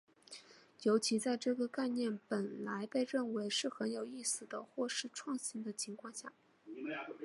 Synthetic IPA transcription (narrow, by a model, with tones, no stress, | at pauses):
jo˧˥ʊt͡ɕʰi˧˥t͡sa˥˧ɪʈ͡ʂɤ˥˩ɡə˩ka˥˧ɪnjɛ˥˩npə˨˩nla˧˥ɪpe˥˧ɪɻə˥˩nwe˧˥ɪʂɻ̩˥˩xə˧˥njo˨˩ʊi˥˩sɹ̩˨˩d̪ə˩xwɔ˥˧ʂɻ̩˥˧ʈ͡ʂʰwɑ˥˧ŋɕi˥˩nd̪ə˧t͡ɕʰi˧˥ŋkʰwɑ˥˧ŋɕja̰˥˩